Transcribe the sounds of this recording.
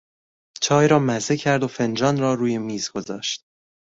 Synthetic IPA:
t͡ʃʰɒːjɾɒːmæzecʰæɾd̪o̞fe̞nd͡ʒɒːnɾɒːɾuːje̞miːzɡ̥o̞zɒ̰ːʃt̪̚

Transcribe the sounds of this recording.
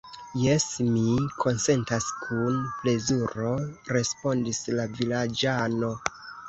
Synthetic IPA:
jesmikʰo̞nse̞ntaskʰunple̞zuɾo̞ɾe̞spo̞ndislavilad͡ʒano̞

